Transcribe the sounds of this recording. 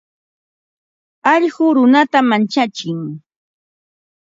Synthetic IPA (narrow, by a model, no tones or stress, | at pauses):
ɑʎɢʊɾʊnat̪amant͡ʃat͡ʃɪŋ